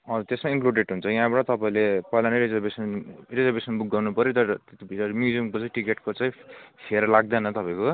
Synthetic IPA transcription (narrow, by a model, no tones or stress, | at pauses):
ʌ̃t̪esmaiŋkluɖeʈɦunt͡sʰʌjɦãbʌʈʌ̃t̪ʌpaĩlepʌilanʌɾed͡zʌbesʌnred͡zebesʌnbuɡːawnupʌɾjot̪ʌɾbʱiʌɾmjud͡ziʌmkot͡saĩʈikeʈkot͡saĩpʰeɾlaɡ̚d̪ʌnʌt̪ʌpãĩko